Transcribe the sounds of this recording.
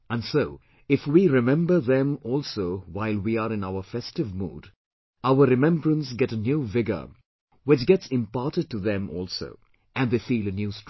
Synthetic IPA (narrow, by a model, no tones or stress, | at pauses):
æ̃nsoʊ | ɪfwiɾɪmɛ̃mbə˞ðɛ̃mɔlˠsoʊwaɪlˠwiəɾɪ̃naʊəfɛstɨvmṵːd | aʊəɾɨmɛ̃mbɹə̃nsɡɛɾənjuvɪɡə̰˞ | wɪt͡ʃɡɛtsɪ̃mpatɨd̚ʈuðɛ̃mʔɔ̰ːlˠso̰ʊ | ʔɨ̃nðefiːlˠɨnjust